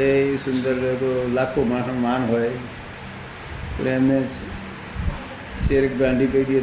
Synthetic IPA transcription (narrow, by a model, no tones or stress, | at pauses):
esʊnd̪əɾekolakʰomaɦmanɦɔj | leme | t͡ʃeɾək̚ɡãɳɖʱikəid̪ie